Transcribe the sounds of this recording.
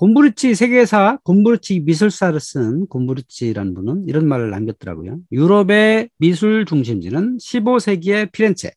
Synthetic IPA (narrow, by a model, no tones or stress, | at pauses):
kombuɾɯt͡ɕ͈ʰisʰe̞ɡe̞sʰakombuɾɯt͡ɕʰimisʰuɭs͈aɾɯs͈ɯnkombuɾit͡ɕ͈ʰiɾanɯnbunɯniɾʌnmaɾɯɭːa̰mɡjʌt̚t͈ʌɾa̰ɡo̰jojuɾʌbe̞mis̬ʰuɭt͡ɕuŋɕ̬ʰimd͡ʑḭnɯnɕʰibosʰe̞ɡie̞pʰiɾe̞nt͡ɕʰḛ